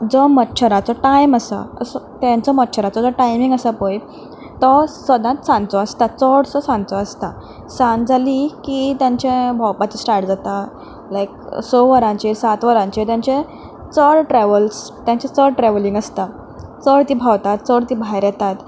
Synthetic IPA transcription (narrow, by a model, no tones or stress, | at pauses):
d͡zɔmətːɕʰəɾat͡sɔʈajməsa̰ə̰sɔt̪jãnt͡sɔmətːɕʰəɾat͡sɔd͡zɔʈajmĩŋɡəsapəj | t̪ɔsʋəd̪ãt̪̚sãnt͡sɔəst̪at͡sɔɽsɔsãnt͡sɔəst̪a | sãnd͡zʱalikit̪jãɲt͡ɕẽbʱɔwpat͡ɕisʈaɾʈd͡zat̪a | lajksɔʋəɾãɲt͡ɕisat̪ʋəɾãɲt͡ɕit̪jãɲt͡ɕẽ | t͡səɽʈɾɛʋəlst̪jãɲt͡ɕet͡səɽʈɾɛʋlĩŋɡəst̪a | t͡səɽt̪iːbʱawt̪at̪̚t͡səɽt̪iːbʱajɾjɛt̪at̪